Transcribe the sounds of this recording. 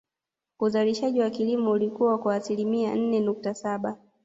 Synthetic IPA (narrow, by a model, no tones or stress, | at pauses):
uzaliʃaʄiwakilimɔulikuwakwaːsilimian̩nɛnuk̚tasaɓa